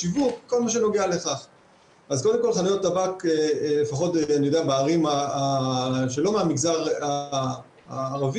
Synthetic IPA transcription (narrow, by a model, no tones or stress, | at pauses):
ivukːo̞lmaʃ̬e̞no̞ɡealeχaχ | azkoldemko̞lχanujot̪ːavakelefaχo̞tanijo̞d̪eabeaʁimaaʃelo̞meamiɡzaʁa | aːʁavi